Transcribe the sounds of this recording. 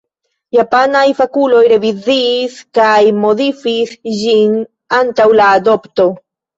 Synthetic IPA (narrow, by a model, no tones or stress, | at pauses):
japanajfakulo̞jɾe̞viziːskajmo̞ðifisʝin | antawlaːd̪opto